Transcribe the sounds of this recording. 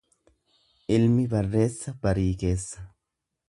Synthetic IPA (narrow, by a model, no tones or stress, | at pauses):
ʔɪlmɪbɐrːe̞ːsːɐbɐɾiːke̞ːsːɐ̥